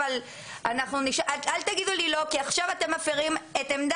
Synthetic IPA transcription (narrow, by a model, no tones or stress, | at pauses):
al | anaχnuniʃʔaalt̪aɡid̪ulilo̞kiaχʃavat̪e̞mːafiʁimet̪emd̪a